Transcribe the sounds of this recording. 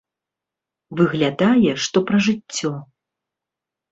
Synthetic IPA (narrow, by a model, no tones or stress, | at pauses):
vɨɣlʲad̪ajɛʂt̪ɔpɾɐʐɨt͡sʲːɔ